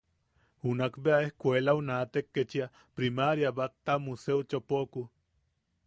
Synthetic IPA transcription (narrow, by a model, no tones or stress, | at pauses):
unakbeaehkʷelaunat̪ekːet͡ʃia | pɾimaɾjabat̪ːamuseut͡ʃopoku